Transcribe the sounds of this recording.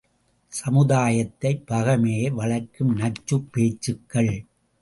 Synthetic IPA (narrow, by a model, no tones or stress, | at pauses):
sɐmɯðaːjɐt̪ːɐɪpɐɣɐmeːjʋɐɭɐɾkɯmnɐt͡ʃːɯpːeːt͡ʃːɯkːɐɭ